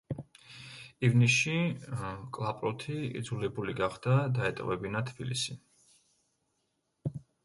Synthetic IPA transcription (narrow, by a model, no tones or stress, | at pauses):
ivnisi | kʼlˠapʼɾɔt̪ʰiḭd̪zulɛbuliɡaχd̪̥ad̪aɛt̪ʼwɛbinat̪ʰb̥ilḭsi